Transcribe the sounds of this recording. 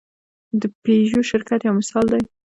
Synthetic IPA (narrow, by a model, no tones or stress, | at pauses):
d̪əpeʒoʃɪɾkat̪jawmɪsɑld̪aj